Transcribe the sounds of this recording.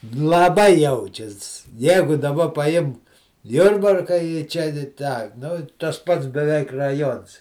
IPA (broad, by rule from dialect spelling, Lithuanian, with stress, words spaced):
lˠɐˈbɐɪ ˈjɛʊt͡ʃʲɛs ˈjæːɡʊ dɐˈbɐ pɐˈjɪmk ˈjʊrbɐrkɐ ɪ ˈt͡ʃʲɛ ɪ ˈtɑː nʊ ˈtɐs ˈpɐts bʲɛˈʋʲɛɪk rɐˈjoːns